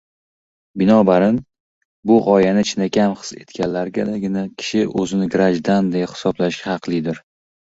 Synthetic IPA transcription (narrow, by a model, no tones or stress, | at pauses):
bɪnɒbaɾɪn | bʊʁɒjanɪt͡ʃʰɪnakʲʰamχɨ̥se̞̰t̪kʲanlaɾɡʲad̪aɡʲɪnakʲʰɪ̥ʃɪʔɵzɪnɪɡɾaʒd̪and̪ehɪ̥sɒblaʃkʲahɑqlˠɪd̪ɪɾ